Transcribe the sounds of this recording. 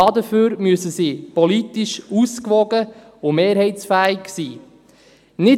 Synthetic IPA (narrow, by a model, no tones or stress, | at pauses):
ɑdəføːɾmyəsəsiːpɔlit̪iʃuskʋɔɡə | ʊmeːɾhɛɪtsfæːiksiː | nɪ